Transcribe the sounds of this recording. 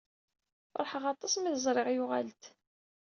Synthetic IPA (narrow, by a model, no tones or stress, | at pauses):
ɾˤħəʁɑt̪ˤːɑsˤmiðəzˤɾˤɪʁjʊʁalt̪